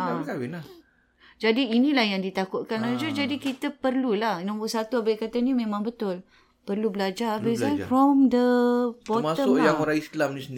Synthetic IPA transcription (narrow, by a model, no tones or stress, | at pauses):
akawina | d͡ʒadiːnilahjaŋdit̪akʊt̪̚kanad͡ʒod͡ʒadikit̪əpərlulahnɔ̃ŋbuʔsat̪uabaikat̪animẽmãŋbət̪ʊl | pərlubəlad͡ʒabisafɾɔmd̪əbɔməʊjaŋoɾaist̪əlamnisənd